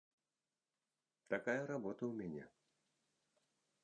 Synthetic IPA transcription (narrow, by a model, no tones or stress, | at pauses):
t̪akajɐɾabɔt̪ɐwmʲanʲɛ̰